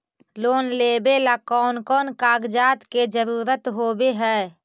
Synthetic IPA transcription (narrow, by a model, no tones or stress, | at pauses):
loːnleːbelakɔːnkɔːnkaːɡd͡ʒaːt̪ked͡ʒəɾuːɾət̪ɦoːbeɦɛː